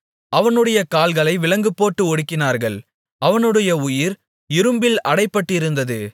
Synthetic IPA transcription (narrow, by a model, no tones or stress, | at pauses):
ɐʋɐnɯɽɐjɐkaːlɣɐɭɐɪʋɪlɐŋɡɯpːoːʈːɯɔɽɯkːɪnaːɾɣɐɭ | ɐʋɐnɯɽɐjɐʊjɪɾ | ɪɾɯmbɪlɐɽɐɪpːɐʈːɪɾɯnd̪ɐðɯ